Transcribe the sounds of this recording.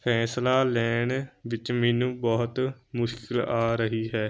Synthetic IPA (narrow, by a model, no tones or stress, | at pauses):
pʰɛːslaːlɛːɳʋɪt͡ʃmɛːnũːbɔːt̪mʊʃkɪlaːɾəɦiːɦɛː